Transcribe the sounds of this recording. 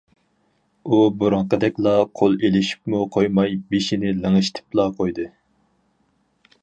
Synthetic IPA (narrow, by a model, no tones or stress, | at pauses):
ubuɾɑɴqəd̪ɛkʲlˠɑqʰolˠelɪʃi̥pmuqʰojmɑjbeʃinɪlɨŋɨʃt̪ʰɪ̥plˠɑqʰojd̪ɨ